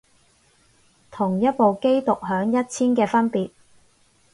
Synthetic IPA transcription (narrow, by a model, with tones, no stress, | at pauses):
t̪ʰʊ˨˩ŋjɐ˥t̚po˨wke˥jt̪ʊ˨k̚ɦœː˨˥ŋjɐ˥t̚t͡sʰiː˥nkɛː˧fɐ˥npiː˨t̚